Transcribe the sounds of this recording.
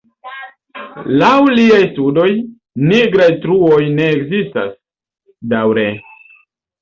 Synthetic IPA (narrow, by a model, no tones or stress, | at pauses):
lawliajstudo̞j | niɡɾajtɾuo̞jne̞ːkzista̰s | dawɾe